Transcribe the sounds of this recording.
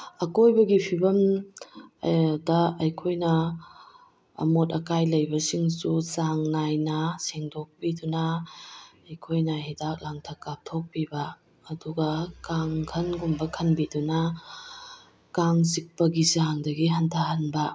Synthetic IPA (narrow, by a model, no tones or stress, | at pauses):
ɐkojbɐɡipʰibɐm | dɐɐjkʰojnɐ | motɐkajlɐjbɐsiŋsusaŋnajnɐseŋdok̚pidunɐ | ɐjkʰojnɐɦidak̚laŋtʰɐkːap̚tʰok̚pibɐː | duɡɐkaŋkʰɐnɡumbɐkʰɐnbidunɐ | kaŋsik̚pɐɡizaŋdɐɡiɦɐntʰahanbɐ